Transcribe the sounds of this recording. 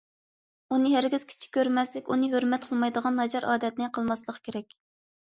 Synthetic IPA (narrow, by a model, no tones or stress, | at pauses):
unɨɦæɾɡʲiz̥kʲʰi̥t͡ʃʰi̥kʲʰːøɾmɛslɪkʲunɨɦøɾmɛt̪̚qʰəlˠmɑjd̪əʁɑnːɑd͡ʒɑɾʔɑ̰ːd̪ɛt̪̚nɪqʰəlˠmɑslˠəqʰkʲʰeɾɛkʲ